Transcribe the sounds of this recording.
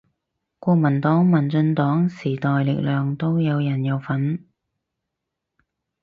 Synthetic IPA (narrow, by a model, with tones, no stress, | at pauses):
kʷɔː˧k̚mɐ˨˩nt̪ɔː˨˥ŋmɐ˨˩nt͡sɵ˧nt̪ɔː˨˥ŋsiː˨˩t̪ɔː˨jlɪ̰˨k̚lœː˨ŋt̪o˥wjɐ˨˧wjɐ˨˩njɐ˨˧wfɐ˨˥n